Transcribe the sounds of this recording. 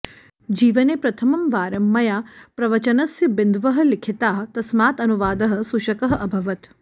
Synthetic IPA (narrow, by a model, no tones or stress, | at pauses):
d͡ʒiːʋɐneːpɾɐt̪ʰɐmɐmʋaːɾɐmːɐjaːpɾɐʋɐt͡ʃɐnɐsjɐbɪnd̪ʋɐɦɐ̆lɪkʰit̪aːɦt̪ɐsmaːt̪ɐnuʋaːd̪ɐɦɐ̆suʃɐkɐɦɐ̆ʔɐbʱɐʋɐt̪